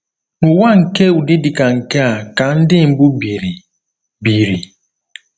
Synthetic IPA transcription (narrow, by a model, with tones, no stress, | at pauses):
nʊ˨wa˦ŋ̩˨ke˦u˨dɪ˦di˨ka˨ŋ̩˨ke˦a˨ka˨n̩˦dɪ˦m̩˨bu˦bi˨ɾi˨ | bi˨ɾi˨